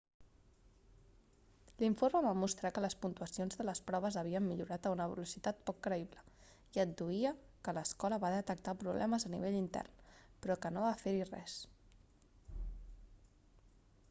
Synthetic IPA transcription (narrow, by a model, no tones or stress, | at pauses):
liɱfoɾməβamust̪ɾakələspunt̪uəsionzðələspɾɔβ̞əzəβiəmːiʎuɾat̪əunəβ̞ə̰lusit̪at̪̚pɔkːɾəiβlə | iəd̪̚d̪uiəkələskɔləβaðət̪ək̚t̪apɾuβlʔɛməzənḭβ̞eʎint̪ɛ̰rnpɾɔkənoβafeɾirɛ̰s